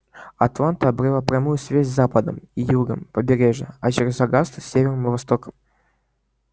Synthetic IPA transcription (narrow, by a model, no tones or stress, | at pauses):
ɐt̪lˠant̪əɐbɾʲɨlˠapɾʲamujʊsvʲazʲzapəd̪ə̰mijuɡəmpəbʲɪɾʲeʐəɐt͡ʃɪɾʲəzɐɡast̪sʲːevʲɪrnəmvɐst̪okə̥m